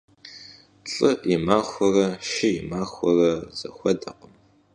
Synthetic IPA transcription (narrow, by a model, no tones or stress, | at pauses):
ɬʼɨimaːxʷɔrɐʃɪjɪmaːxʷɔrɐz̥ɐ̰xʷɐdɐqəm